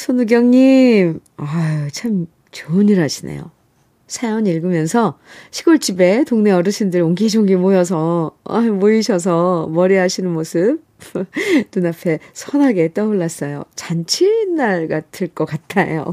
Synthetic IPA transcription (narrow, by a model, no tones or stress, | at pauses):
sʰonuɡjʌŋɲimat͡ɕʰam | t͡ɕuɲiɾɦaɕʰinḛjo̰ | sʰajoɲiɭɡɯmjʌnsʰʌɕʰiɡoɭt͡ɕ͈ibe̞toŋneʌɾɯɕʰindɯɾoŋɡid͡ʑoŋɡimojʌs̬ʰʌa̰moiɕʰʌs̬ʰʌmʌɾiɦaɕʰinɯnmosʰɯp̚ | nunapʰe̞sʰʌnɦaɡe̞t͈ʌuɭːas͈ʌjo̰t͡ɕant͡ɕʰinːaɭɡatʰɯɭk͈ʌk͈atʰajo̰